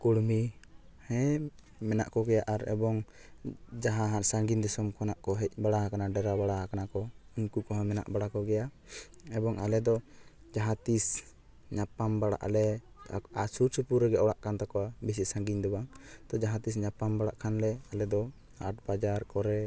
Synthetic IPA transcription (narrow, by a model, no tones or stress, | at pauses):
kuɽmihɛ̃ | mɛnaʔkɔɡɛjaʔaɾɛ̰bɔŋ | d͡ʒaɦaɦasaŋɡiɲd̪isɔmkʰɔnaʔkɔɦɛc̚baɽaɦakanaɖɛɾabaɽahakanakɔuɲkukɔɦɔ̃mɛna̰ʔbaɽakɔɡɛjaʔ | ɛbɔŋalɛd̪ɔ | d͡ʒaɦat̪is | ɲapambaɽa̰ʔlɛ̰ | asusupuɾɛɡɛɔɽaʔkant̪akɔwabis̬isaŋɡiɲd̪ɔbaŋt̪ɔd͡ʒaɦat̪is̬ɲapambaɽaʔkʰanlɛalɛd̪ɔ | aʈ̚bad͡ʒaɾkɔɾɛ